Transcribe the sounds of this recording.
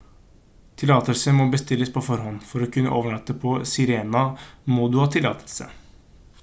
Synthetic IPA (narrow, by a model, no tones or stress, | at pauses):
t̪ʰɪlɑːt̪əlsəmɔbəst̪ɪlːəspʰɔfɔɾhɔnːfɔɾɔkʉnːə̰ʔoːʋəɳɑt̪ːəpʰɔsɪɾeːnɑmɔd̪ʉhɑːt̪ʰɪlːɑ̰ːt̪ʰəlsə̰